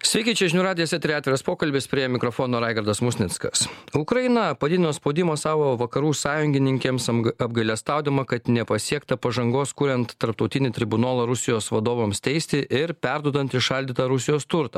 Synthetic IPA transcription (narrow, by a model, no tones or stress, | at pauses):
sʲʋʲɛɪkʲit͡ʃʲɛʒʲɪnʲuɾɑːd̪ʲɪjɛsʲɛt̪ʲɾʲɪɑːt̪ʲɪɾɐspoːkɐlʲbʲɪspʲɾʲiɛmʲɪkɾɔfoːnoːɾɑɪɡɐɾd̪ɐsmʊsʲnʲɪt̪skɐ̰sʊkɾɐjɪnɐpɐd̪ʲɪd̪ʲɪnoːspoʊd̪ʲɪmoːsɑːʋoːʋɐkɐɾuːsɑːjʊŋʲɡʲɪnʲɪŋʲkʲeːmsɐb̚ɡɐɪlʲɛst̪ɑˑʊd̪ʲɪmɐkɐt̪nʲɛpɐsʲiɛkt̪ɐpɐʒɐŋɡoːskʊɾʲɛnt̪ːɐɾpt̪ɔʊt̪ʲɪnʲɪt̪ʲɾʲɪbʊnoːlˠɐɾʊsʲɪjoːsʋɐd̪oːʋoːmst̪ʲɛɪsʲt̪ʲɪʔɪɾpʲɛɾd̪uɔd̪ɐnt̪ɪʃɐlʲd̪ʲiːt̪ɐɾʊsʲɪjoːst̪ʊɾt̪ɐ